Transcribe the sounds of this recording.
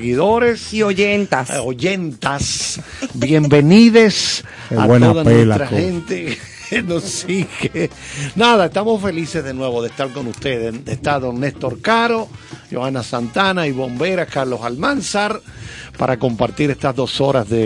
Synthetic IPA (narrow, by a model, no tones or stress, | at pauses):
ɣiðo̞ɾesoʝent̪aoʝe̞nt̪as | bje̞mbe̞niðe̞s | a̰t̪oðanweɾaxent̪e | nosiɣe | naðaest̪amo̞sfe̞lise̞zðe̞nwe̞βo̞ðe̞st̪aɾko̞nust̪eðed̪est̪aðo̞nːest̪o̞ɾkaɾo̞ʝoanasant̪anaiβo̞mbe̞ɾaskaɾlo̞salmansaɾpa̰ɾʔako̞mpaɾt̪iɾest̪azðo̞so̞ɾazðe